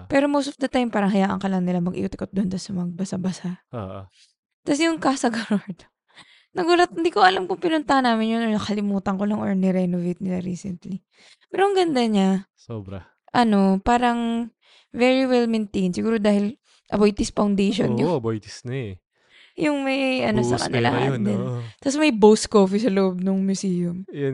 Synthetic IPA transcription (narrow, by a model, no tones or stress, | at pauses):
pɛɾo̞mowst̪ovd̪ɐt̪ajmpaːɾɐŋɦɐjaːʔɐ̰ŋkɐlɐŋnɪlamɐɡʔḭʔʊt̪ɪkot̪̚d̪ʊʔont̪ɐsɐmɐɡ̚bɐsabɐsao̰ʔ | t̪asɛjʊŋkasɐɡɐɾoɹd̪ | nɐɡuːlɐt̪̚hɪnd̪iːkoɐlamkʊŋpɪnʊnt̪ahanaːmɪnjonoɹnɐkɐlɪmuːt̪ɐŋkolaŋʔoɹnɛɾɛnovejt̪̚nɪlaɾiːsɛ̰nt̪li | pɛːɾoʔɐŋɡɐnd̪aɲasobɾɐ̰ | ʔɐno̞paːɾɐŋ | vɛɹiwɛlmɛnt̪ejnsɪɡuːɾo̞d̪aːhɪl | ʔɐbojt̪ɪspɐwnd̪ejʃo̰njʊɐbojt̪ɪ̥snɐɛ | jʊŋmɐjʔɐnosɐ̰kɐ̰nɪ̰la̰hɐ̰d̪ɛnt̪ɐsmɐjbowskoːfisɐlʊʔob̚nʊŋmjʊsiːjʊm